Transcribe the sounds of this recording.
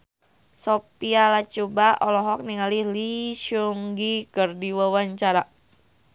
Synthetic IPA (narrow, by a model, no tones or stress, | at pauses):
sopialat͡ʃubaɔlɔɦɔk̚niŋaliliʃɔŋɡikərdiwawaɲt͡ʃaɾa